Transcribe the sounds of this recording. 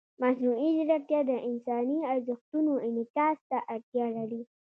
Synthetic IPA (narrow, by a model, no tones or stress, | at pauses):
masnuid͡ʒaɾaɾt̪jɑd̪əʔɪnsɑniaɾzɪxt̪unoɪnɪkɑst̪aʔaɽt̪jɑlaɽi